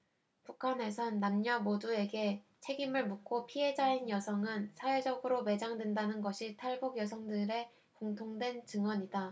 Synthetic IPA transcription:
pukʰane̞sʰʌnːamɲʌmodue̞ɡe̞ | t͡ɕʰe̞ɡimɯɭmukʰopʰiɦe̞d͡ʑainjʌsʰʌŋɯnsʰawe̞d͡ʑʌɡɯɾome̞d͡ʑaŋdwendanɯnɡʌɕʰitʰaɭbuɡjʌsʰʌŋdɯɾe̞ | koŋtʰoŋdwe̞nt͡ɕɯŋwʌɲida

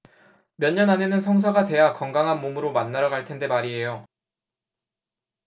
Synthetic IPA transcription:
mjʌɲːʌnane̞nɯns̬ʰʌŋs̬ʰʌɡate̞jakʌŋɡaŋɦanmomɯɾomanːaɾaɡaɭtʰe̞nde̞maɾiɦe̞jo

